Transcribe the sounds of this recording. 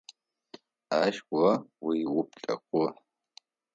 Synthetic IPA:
aːʃʷɔwiwʊp̚ɬʼɐ̰kʷʼʊ

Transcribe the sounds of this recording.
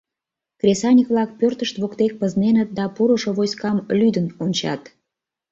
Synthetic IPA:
krʲesɑnʲikβlɑk̚pørt̪əʃt̪βokt̪ek̚pəznenət̪̚d̪ɑpuɾoʃoβojskɑmlyd̪ənonʲt͡ɕɑ̰t̪

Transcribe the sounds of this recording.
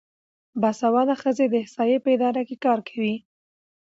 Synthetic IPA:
basawɑlaxəzed̪əɪhsɑjepəɪd̪ɑɾakekɑɾkʰawi

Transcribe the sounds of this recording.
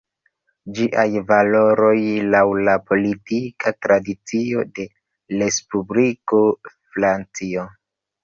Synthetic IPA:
d͡ʒiʔajvalo̞ɾo̞jlawlapo̞litikʰatɾadit͡sio̞de̞ | le̞spubliko̞fɾant͡sio

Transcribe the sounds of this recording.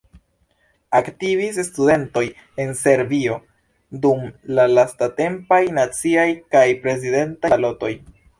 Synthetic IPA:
aktivis̬estude̞nto̞j | e̞nse̞ɾbio̞ | dumlalastate̞mpajnat͡siajkajpɾe̞z̬ide̞ntalo̞to̞j

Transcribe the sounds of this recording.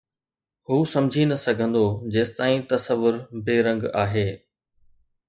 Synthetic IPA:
huːsɐmd͡ʑʱinɐsɐɡʱə̃nd̪od͡ʑeːst̪aːĩt̪ɐsəʋʊɾbeːɾɐ̃ŋɡaːɦeː

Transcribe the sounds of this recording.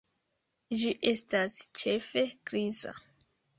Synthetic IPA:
d͡ʒiʔe̞stast͡ʃe̞fe̞kɾiza̰

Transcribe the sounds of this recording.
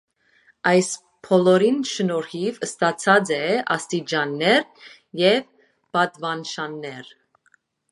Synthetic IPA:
ɑjs | pʰɔlɔɾinʃənɔɾhivəst̪ɑt͡sʰɑd͡zɛɑ̰st̪id͡ʒɑnːɛɾ | jɛv | bɑd̪vɑnʃɑnːɛɾ

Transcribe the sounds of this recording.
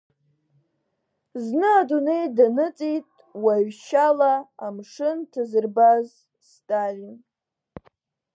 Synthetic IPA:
znɨadune̞jdanɨt͡sʼitʼ | waɥʃalaamʂɨntʰazɨrbaz | stʼalin

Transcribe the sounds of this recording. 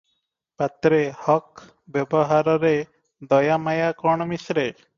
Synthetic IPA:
pat̪ɾehɔk | bebɔɦaɾɔɾe | d̪ɔjamajakɔɳ̃ɔmisɾe

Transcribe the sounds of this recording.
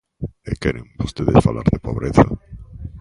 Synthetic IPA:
ekeɾeŋbost̪eðesfala̰ɾðepoβɾeθa

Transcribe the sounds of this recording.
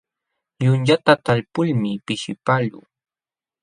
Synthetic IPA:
ʎʊnʎat̪at̪aʎpʊʎmɪpɪʃɪpaʎʊ̰

